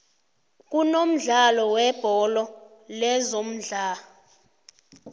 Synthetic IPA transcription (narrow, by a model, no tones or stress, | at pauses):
k̬ʼunom̩ɮalɔwɛb̥ʱɔlɔlɛzom̩ɮaːɔ